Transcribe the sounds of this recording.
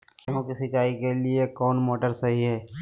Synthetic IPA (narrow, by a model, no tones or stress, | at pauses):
ɦõkisɪkaːikeliekɔːnmoːʈəɾsɐɦiɦɛː